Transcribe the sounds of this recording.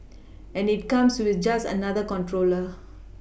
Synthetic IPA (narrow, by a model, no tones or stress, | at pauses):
ɛ̃nɪʈ̚kãmswid̪d͡ʒasə̰nad̪əkɔ̃nʈɾoːlə